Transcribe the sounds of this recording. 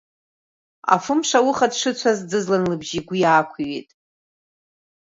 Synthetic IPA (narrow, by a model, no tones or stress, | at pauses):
a̰fɨmʂawʊχadʂɨt͡ɕʷʰazd͡zɨzlanlɨbʒiɡʷijaːkʷʰɥetʼ